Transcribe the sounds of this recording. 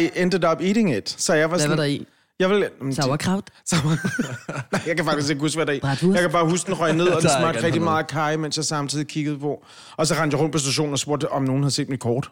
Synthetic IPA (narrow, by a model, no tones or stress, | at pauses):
end̥əð̩ˠɒ̽b̥iɾ̥e̝ŋed̥sɒ̽jɑ̈ɪʋɑ̈si | jɑ̈ɪelmkʰʁɑʊd̥sɑ | njɑɪkʰæfɑ̈ɡ̥d̥isɡ̥e̝ɡ̥husɡ̥ʋædɾɑijɑ̈kʰæb̥ɑ̈ːɦusd̥enʁɒɪne̝ð̞̰ˠɒd̥ensmɑ̈ɡ̥̚dʁɛɡ̥d̥imɑ̈ːð̩ˠkʰɑ̈ɪmen̰sjɑ̈ɪsɑ̈mt͡sʰið̰ˠikʰiɡ̥əð̩ˠpʰɒ̽ | ɒ̽sɒʁɑ̈n̰d̥jaɪɔ̽nd̥̚pʰɒ̽s̬d̥æɕ̬o̰ːn̩ɒ̽sb̥o̝ɐ̰d̥ɒ̽mno̝ːn̩hæð̩ˠsḛːd̥mikʰɒːd̥